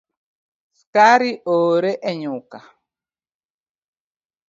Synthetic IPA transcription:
skaɾiʔoɾɛʔɛɲuka

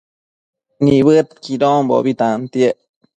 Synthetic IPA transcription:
niβɨt̪̚kiɾombo̰bit̪ant̪jeʔ

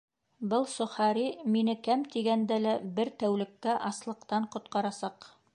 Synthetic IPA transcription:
bɤlˠsŏχɑɾiminɘkæmt̪iɡænd̪ælæbɘɾt̪æwlɘ̆kːæʔɑslˠɤ̆qt̪ɑɴqŏt̪̚qɑɾɑsɑq

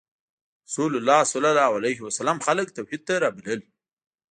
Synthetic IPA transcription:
sulʊlːɑːsʊlalawalajɦiwasalamxalək̚t̪awhid̪̚t̪aɾɑbiləl

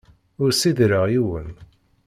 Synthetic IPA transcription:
ʊɾsiðɾəʁjiwə̰n

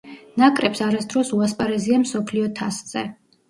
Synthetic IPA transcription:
nakʼɾɛpsaɾasd̪ɾɔsuaspʼaɾɛziamsɔpʰliɔt̪ʰasz̥ɛ

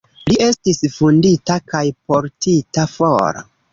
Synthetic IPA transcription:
lie̞stisfunditakajpo̞ɾtitafo̰ɾo̰

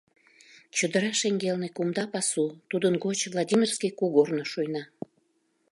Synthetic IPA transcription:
t͡ɕud̪əɾɑʃeŋɡelnekumd̪ɑpɑsut̪ud̪ənɡot͡ɕvlˠɑdʲimʲirskijkuɣornoʃujnɑ

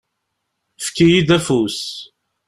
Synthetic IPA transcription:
fkːijid̪æfus

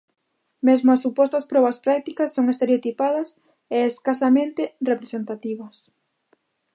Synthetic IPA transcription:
mezmʊɐsːupɔst̪ɐspɾɔβɐspɾak̚t̪ikɐsːoŋest̪eɾeot̪ipað̞ɐs | eeskasamẽnt̪erepɾesent̪at̪iβ̞ɐs

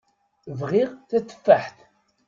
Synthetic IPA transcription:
vʁiʁθæθə̥fːaħθ

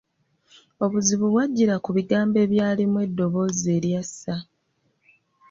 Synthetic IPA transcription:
o̞βuziβuβwaɟːiɾakuβiɡaːmbe̞ːβjaːlimwe̞dːo̞βo̞ze̞ːɾjasːa

